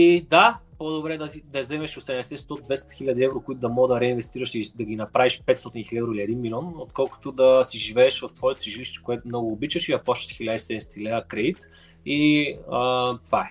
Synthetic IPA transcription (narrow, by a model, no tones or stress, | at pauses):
id̪apod̪obɾɛd̪ɐzid̪ɐzɛmɛʃosɛmɛsɛtst̪od̪vɛst̪ɐ̥xilʲad̪iɛvɾokʊit̪ʊd̪ɐmɔɡd̪ɐɾɛinvɛst̪iɾɐʃid̪ɐɡinɐpɾaviʃpɛt̪sot̪inxilɛvɾoilʲiɛd̪inmilʲɔnot̪kɔlˠkʊ̥t̪od̪ɐsiʒivɛːʃvɐft̪vɔɛt̪siʒiliʃt̪ɛ̥koɛt̪ʊmnɔɡʊːbit͡ʃvəʃid̪ɐpɔst̪ə̥t̪xilʲad̪isɛd̪ɛsɛ̥t̪ʰilɛəkɾɛd̪it̪ | iət̪ovaɛ